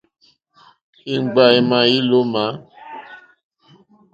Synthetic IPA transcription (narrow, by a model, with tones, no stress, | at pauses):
ki˦ŋ͡m̩˨ɡ͡ba˦i˨mã˨i˦lo˦ma˨˦